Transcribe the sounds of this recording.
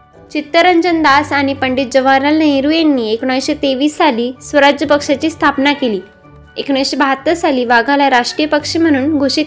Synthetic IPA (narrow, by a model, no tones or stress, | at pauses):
t͡ɕit̪ːəɾəɲd͡ʑənd̪asaɽ̃ipəɳɖit̪̚d͡ʑəʋaɾalnəeɾujenːiːekɽ̃ajɕet̪eʋiːsːaliːsʋəɾad͡ʑjəpəkʂat͡ɕiːst̪ʰapnakeliː | ekɽ̃ajɕebʱat̪ːəsaliːʋaɡʱaljaɾaʂʈɾijəpəkʂim̤əɽ̃uːnɡʱoʂit̪